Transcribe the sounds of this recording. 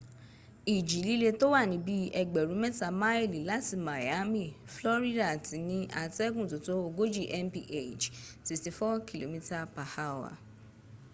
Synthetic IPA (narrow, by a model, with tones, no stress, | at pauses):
i˨d͡ʒi˨˦li˦le˧to˦wa˦˨nĩ˨˦bi˦ɛ˧ɡ͡bɛ˨ɾũ˨˦mɛ˦ta˧ma˦i˦˨li˨la˦ti˨˧ma˨ja˨˦mĩ˦˨flɔ˦ɾi˦da˨ti˨˦nĩ˧˦a˧tɛ˦ɡũ˦˨to˨˦to˦o˧ɡo˦d͡ʒi˦˨ʔɛ˦mpi˦ʔe˦˨d͡ʒti˧ti˧fɔ˦ki˨lo̰˨mĩ˦ta˦pa˨ha˦˨wa̰˨